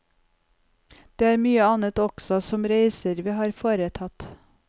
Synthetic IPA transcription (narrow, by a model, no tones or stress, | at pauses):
d̪̥eːæːɾmyːəɑnət̪ɔɡ̥sɔsɔmɾeɪsəɾʋiːhɑːɾfoːɾət̪ʰɑt̪